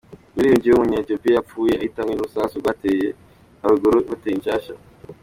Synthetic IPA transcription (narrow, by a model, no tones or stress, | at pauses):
uɾijuɲd͡ʒieumuɲaetiopiajap͡fuːjeahitamɡinuɾusaːsuɡateːje | aβiɡoɾoβateːjiɲʃaːʃa̰